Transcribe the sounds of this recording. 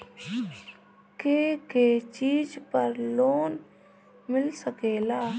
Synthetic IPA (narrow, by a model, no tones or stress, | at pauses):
keːkeːt͡ʃiːd͡ʒpəɾloːn | mɪlsəkeːlaː